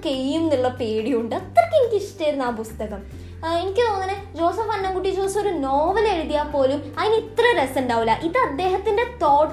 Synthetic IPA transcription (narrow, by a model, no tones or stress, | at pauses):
kejjumniɭːɐpe̞ːɽijuɳɖɨɐt̪ːrɐkʲːenikʲːiʂʈɐjɾunːaːpust̪ɐɣɐm | enikʲːɨt̪o̞ːnːɐnɨ | d͡ʑo̞ːsɐfɐɳːɐŋkuʈːit͡ɕoːit͡ɕːo̞ɾuno̞ːʋɐleɻuðijaːpːo̞ːlumɐðinit̪rɐɾesenɖaːʋulaʔiðɐd̪ːe̞ːɦɐt̪ːinde̞t̪o̞ːʈ